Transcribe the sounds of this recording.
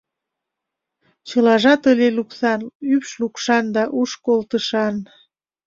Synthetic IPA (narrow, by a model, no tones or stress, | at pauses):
t͡ɕɤlɑʒɑt̪əlʲeluksɑnypʃlukʃɑnd̪ɑʔuʃkolt̪əʃɑn